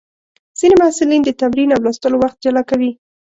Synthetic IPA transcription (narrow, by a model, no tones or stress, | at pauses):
z̥inemahsɪlind̪ət̪amɾinawlast̪əlowaxt̪̚d͡ʒalɑkawi